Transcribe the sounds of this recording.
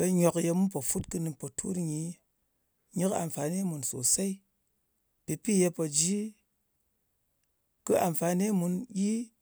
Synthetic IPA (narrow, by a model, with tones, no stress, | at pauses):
be˧ɲo˧kje˧mu˦npo˨fu˦tkɨ˧nɨ˧po˨tʰṵ˦ɾɲi˨ | ɲi˦ka̰˨mfa˨ne˦mu˨nso̰˨se˦i˦ | pi˨pi˦je˧po˨d͡ʒi˦ | kɨ˦a˨ɱfa˨˧ne˦mu˧njʲi˦